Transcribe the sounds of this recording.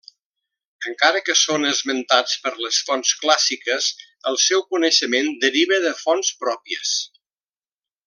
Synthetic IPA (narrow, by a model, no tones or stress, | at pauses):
əŋkaɾəkəsonəzmənt̪at͡spəɾləsfɔnsklasikəs | əlˠsɛwkunəʃəmend̪əɾiβəðəfɔnspɾɔpiə̰s